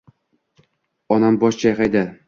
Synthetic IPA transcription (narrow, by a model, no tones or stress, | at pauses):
ɒnambɒʃt͡ʃʰajaqajd̪ɪ